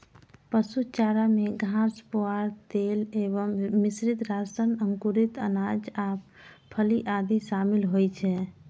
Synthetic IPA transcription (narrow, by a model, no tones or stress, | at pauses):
pəsut͡ʃaɾameɡʱãspoaɾt̪eleβəmːisɾid̪ɾasənəŋkuɾit̪ə̰nad͡ʒapʰəliʔad̪isamilɦojt͡ʃʰɛ